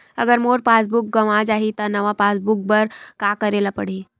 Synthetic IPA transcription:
ɐɡəɾmoːɾpaːs̬bʊk̚ɡɐʋad͡ʒaːɦit̪ɐnɐʋapaːsbʊk̚bəɾkaːkɐɾeːlapɐɽ̤iː

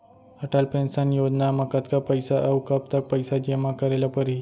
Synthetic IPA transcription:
əʈalpɾẽnsanjod͡ʑnamakat̪kapəjsaʔəwkap̚t̪ak̚pəjsad͡ʑemakəɾalapəɾi

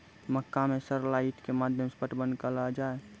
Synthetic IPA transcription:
məkːamẽsəɾlaiʈkemaːd̪ʱjəmspəʈbənkəlad͡ʒae

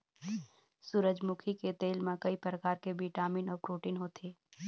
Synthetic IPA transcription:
suːɾəd͡ʒmukʰiket̪eːlmẽkəipɾəkaːɾkebiʈaːmiːnɔːɾpɾoːʈiːnɦoːt̪ʰeː

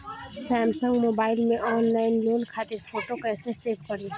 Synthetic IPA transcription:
sɛːmsə̃ŋɡmoːbaːɪlmẽʔɔːnlaːɪnloːnkʰaːt̪ɪɾfʰoːʈokɛːseseːpkɐɾeː

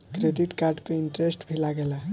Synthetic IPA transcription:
kɾeɖiʈkaɾɖpeiɳʈɾesʈbʱilaɡela

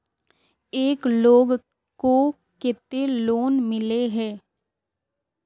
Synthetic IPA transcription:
eːkloːɡ | ko | kɪt̪eloːnmɪleɦɛː

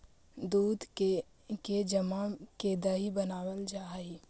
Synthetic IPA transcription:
d̪uːd̪ke | ked͡ʒəmakeːd̪aɦibənaːwəld͡ʒaːɦi

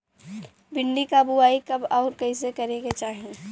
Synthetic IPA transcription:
bɪɳɖikabuaːikɐbɔːɾkɐɪs̬ekɐɾeket͡ʃaːɦẽ

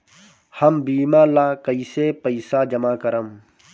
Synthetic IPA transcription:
hɐmbiːmaːlaːkɐisepəisaːd͡ʒɐmaːkɐɾəm

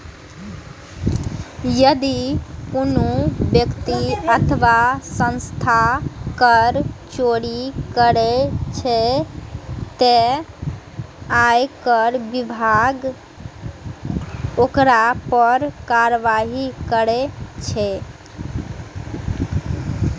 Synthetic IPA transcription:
jəd̪ikunubjəkt̪iət̪ʰəʋasə̃nst̪ʰakəɾt͡ʃoɽikəɾet͡ʃʰɛ | t̪e | ajkəɾbibʱaɡ | okɾapəɾkaɾəʋaɦikəɾet͡ʃʰɛ

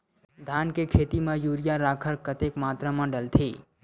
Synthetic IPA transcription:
d̪ʱaːnkekʰeːt̪imãjuːɾijaɾaːkʰəɾkət̪ekmaːt̪ɾamãɖəlt̪ʰiː

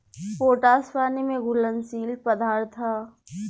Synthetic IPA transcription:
poːʈaːspaːnimẽɡʊlənsiːlpɐd̪ʱaːɾt̪ʰːaː

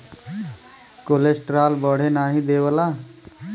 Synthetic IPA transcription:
kolesʈɾaːlbəɽ̤enaːɦĩd̪eːwəlaː

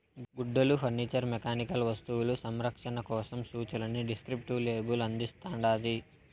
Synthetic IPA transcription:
ɡuɖːɐlupʰɐɾniːt͡ʃɐɾmɛkaːnikɐlʋɐst̪uwulusɐmɾɐkʂɐnɐkɔːsɐmsuːt͡ʃɐlɐniɖiskɾipʈuleːbulɐnd̪ist̪aːɳɖaːd̪i

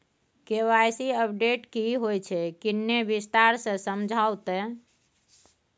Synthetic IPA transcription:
kewajsiəp̚ɖeʈkiɦojt͡ʃʰɛkinːebist̪aɾsə̃səmd͡ʒʱawt̪ɛ

